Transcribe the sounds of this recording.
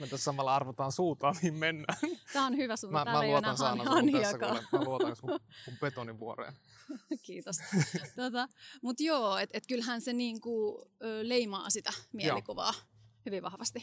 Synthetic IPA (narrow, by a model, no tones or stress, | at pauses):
ment̪æssɑmɑlːɑɑrʋot̪ɑːnsuːt̪ɑːnniːmmenːæːt̪æːonhyʋæsunmæmæuotnɑnsɑːnɑɑnh̪iɑkɑlḛnluotɑnosmumumpet̪oniʋʋuorḛːn | kiːt̪ost̪ot̪ɑmut̪joːet̪et̪kylhænseniːŋkuøːleimɑ̰ːsit̪æmiejlikuʋɑ̰ː | hyʋiʋʋɑhʋɑst̪i